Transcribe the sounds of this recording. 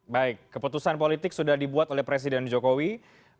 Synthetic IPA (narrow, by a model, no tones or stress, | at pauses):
baɪkːəput̪usanpolit̪ɪk̚sudahdibuat̪olɛhpɾes̬idɛnd͡ʒokowi